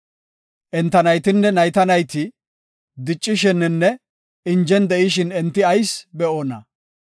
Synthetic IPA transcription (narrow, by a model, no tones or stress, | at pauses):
ʔɛnt̪ːɐnɐjt̪ɪnːɛnɐjt̪ɐnɐjt̪ɪ | d̪ɪt͡ʃʼːɪʃɛnːɛnːɛ | ɪnd͡ʒɛnd̪ɛʔɪʃ̬ɪnɛnt̪ːɪɐjsbɛʔoːnɐ̰